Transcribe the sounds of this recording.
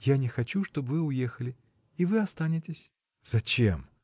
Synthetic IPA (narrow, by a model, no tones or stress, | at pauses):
janʲɪxɐt͡ɕuʂt̪o̞bvɨʊjexəlʲɪ | ivɨɐst̪anʲɪtʲɪsʲ | z̥ɐt͡ɕem